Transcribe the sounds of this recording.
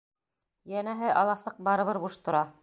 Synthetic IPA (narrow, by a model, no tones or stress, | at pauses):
jænæɦɘʔɑlˠɑsɑq̚bɑɾɤ̆βɤɾbuʃt̪ŏɾɑ